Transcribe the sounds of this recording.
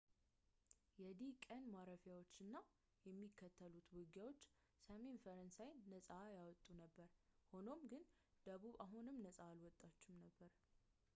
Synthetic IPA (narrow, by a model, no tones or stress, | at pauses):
jɛd̪ikʼənmaɾəfjawo̞t͡ʃːɨnːa | jɛmːikʰːət̪ʰːəlut̪wɨɡjawo̞t͡ʃː | səme̞nfəɾənsajːəsʼajawɔt̪ʼːunəbːəɾho̞no̞mɡɨn | d̪̥əβuβaɦunɨmnəsʼaːlwɔt̪ʼːat͡ʃːɪmnəbːəɾ